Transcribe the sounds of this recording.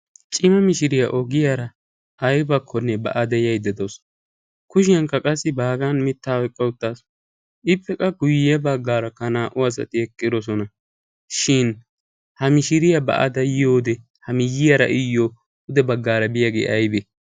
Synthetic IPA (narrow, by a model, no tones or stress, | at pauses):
t͡ʃʼɪmɐmɪʃɪɾɪjɐʔɔɡɪjaɾɐ | ʔːjbɐkʰːɔnːɛbɐ̰ʔɐd̪ɛjɐjd̪ɛd̪os | kʊʃɪjɐŋkɐkʼɐsːɪbaːɡɐnmɪt̪ːaːɔjkʼːɐʊt̪ːaːs | ɪpːɛkʼɐɡʊjɛbɐɡːaːɾɐkɐnaːʔʊas̬ɐ̰t̪ɪɛkʼːɪd̪ɔs̬ɔnɐ | ʃɪn | hɐmɪʃɪɾɪjɐbɐ̰ʔɐ̰d̪ɐjoːd̪ɛ | hɐmɪjɪjɐɾɐ̰ʔɪjːoː | ʊd̪ɛbɐɡːaːɾɐbɪjaɡḛːʔɐjbe